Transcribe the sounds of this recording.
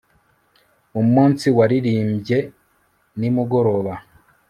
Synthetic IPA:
umumuːnsiwaɾiɾiːmbje̞ | nimuɡo̞ɾo̞βa

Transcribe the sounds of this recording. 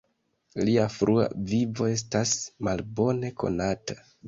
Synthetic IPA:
liafɾʔua̰vivo̞e̞s̬tasmalbo̞ne̞kʰo̞̰natḁ

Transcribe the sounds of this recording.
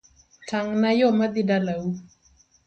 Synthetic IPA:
tʰaŋnajɔmad̪ɪdalau

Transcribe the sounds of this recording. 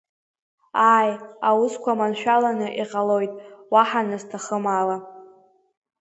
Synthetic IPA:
aːjawʊskʷamanʃᶣalanɨʔiqʼalojtʼwaħanɨztʰaχəmala

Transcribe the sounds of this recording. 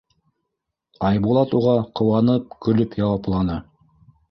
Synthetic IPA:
ɑjbulˠɑt̪uʁɑqʰŏwɑnɤp̚kɵ̆lɵpjɑwɑplˠɑnɤ

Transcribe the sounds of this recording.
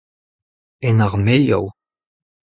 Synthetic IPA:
ɛnaʁmeʎɔ̰w

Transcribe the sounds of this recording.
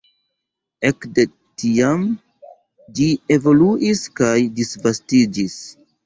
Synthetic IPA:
e̞kde̞ | tiam | d͡ʒie̞vo̞luʔiskajdisvastid͡ʒis

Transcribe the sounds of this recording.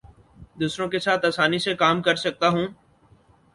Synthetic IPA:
d̪uːsɾõkesaːt̪aːsaːnisekaːmkəɾsɐk̚t̪aɦũː

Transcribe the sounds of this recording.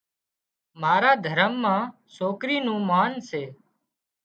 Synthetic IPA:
maːɾaːd̪ʱəɾəmːãː | soːkɾiːnũːmaːnseː

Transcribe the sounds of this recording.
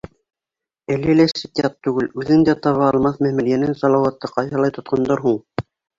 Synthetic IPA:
ælɘlæsɘ̆t̪ʲiɑt̪ːʉɡɘlʉðɘŋd̪æt̪ɑβɑːlˠmɑθmæhmæ̆lijænɘnsɑlˠɑwɑt̪ːɤqɑjθɑlˠɑjt̪ŏt̪̚qɑnd̪ɑɾɦuɴ

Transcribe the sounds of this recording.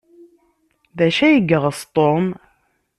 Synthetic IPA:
ðæʃæjəɡːəʁəst̪ˤom

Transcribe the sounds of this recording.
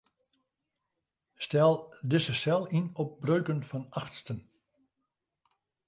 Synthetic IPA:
stɛlˠdɪsəsɛlˠinɔp̚brøɥkənfɔnaxtstən

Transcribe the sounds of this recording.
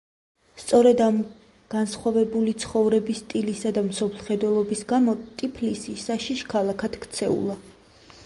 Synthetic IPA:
st̪sʼɔɾɛd̪am | ɡ̥ansχwavɛbulit̪sʰχɔvɾɛbist̪ʼilisad̪amsɔpʰlˠχɛd̪wɛlˠɔbisɡamɔt̪ʼipʰlisisaʃiʃkʰalˠakʰat̪kʰt̪sʰɛṵlˠa

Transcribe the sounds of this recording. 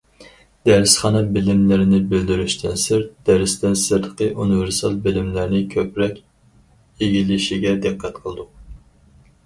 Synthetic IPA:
d̪̥æɾɪsχɑnɑbɪlɪmlɪɾɪnɪbøld̪yɾyʃt̪ʰɪnsɪɾd̪̥æɾɪst̪ɪnsɨɾd̪əqʰəʔunɨveɾsɑlˠbɪlɪmlɪɾnɪkʲʰøpɾɛkʲ | eɡʲilɪʃiɡʲɛd̪ɨqʰːæt̪qʰəlˠd̪uq

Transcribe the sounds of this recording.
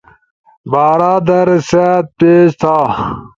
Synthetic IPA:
baːɾaːd̪ɐɾsat̪̚peːd͡ʑt̪ʰaː

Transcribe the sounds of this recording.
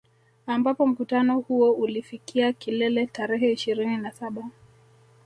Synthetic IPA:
ambapɔm̩kutanɔhuɔulifikiakilɛlɛtaɾɛɦɛiʃiɾininasaɓa

